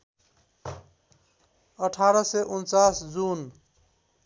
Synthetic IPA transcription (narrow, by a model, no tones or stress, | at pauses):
əʈʰaɾʌseʔunt͡sasd͡zun